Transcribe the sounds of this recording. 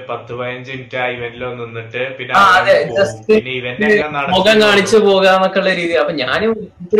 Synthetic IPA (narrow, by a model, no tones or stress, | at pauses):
pɐt̪ːɨpɐjɐɲd͡ʑimtʲːaːiʋɐnilonːinːiʈːɨpinːeaːɐðɨd͡ʑɐsʈɨnːeiʋɐnɨɐnɐɽmoːɣaːŋkaːɳit͡ɕːɨpo̞ːɣaːmokːeuɭːɐɾiːðiɐpːoːɲaːneit̪ːɾ